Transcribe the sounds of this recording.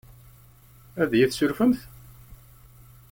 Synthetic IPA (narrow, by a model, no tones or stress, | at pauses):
æðjiθsʊɾfəmθ